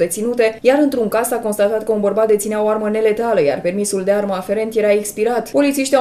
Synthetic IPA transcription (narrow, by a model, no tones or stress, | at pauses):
d̪e̞t̪sinut̪e̞jaɾɨnt̪ɾuŋkazako̞nst̪at̪at̪̚kəunbərbat̪̚d̪e̞t̪sineaoarməne̞le̞t̪aləja̰rpe̞rmisuld̪e̞arməafe̞ɾe̞nt̪je̞ɾaekspiɾat̪po̞lit̪siʃt̪ʲia